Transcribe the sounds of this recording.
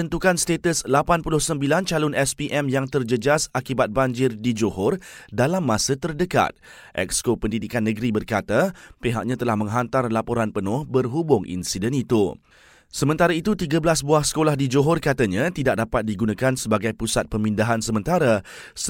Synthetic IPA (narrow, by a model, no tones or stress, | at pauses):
ənt̪ukanst̪et̪əslapanpulʊhsəmbilant͡ʃalʊnɛspiʔɛmjaŋt̪ərd͡ʒəd͡ʒasakibat̪̚baɲd͡ʒɪrdid͡ʒoɦɔrdalamːãsət̪ərdəka̰t̪̚ | ʔɛ̰kskopəndidikanːə̃ɡɾibərkat̪apeɦak̚ɲãt̪əlahmə̃ŋɦant̪arlapoɾanpənʊhbərɦubʊŋʔḭnsidɛnit̪u | səmə̃nt̪aɾait̪ut̪iɡablasbuahsə̥kolahdid͡ʒoɦɔrkat̪aɲãt̪idaʔ̚dapat̪̚diɡunãkansəbaɡajpusat̪̚pəmindaɦansəmə̃nt̪aɾa